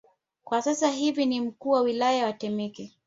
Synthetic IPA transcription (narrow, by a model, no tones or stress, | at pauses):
kwasasaɦivinim̩kuːwawilajawatɛmɛkɛ